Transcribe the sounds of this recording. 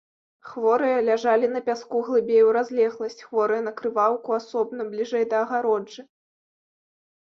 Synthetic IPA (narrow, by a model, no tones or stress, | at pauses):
xvɔɾɨjɐlʲaʐalʲinɐpʲaskuɣlˠɨbʲejwɾazʲlʲɛɣlˠɐsʲt͡sʲxvɔɾɨjɐnɐkɾɨvawkuasɔbnɐblʲiʐɛjd̪ɐːɣaɾɔd͡ʐɨ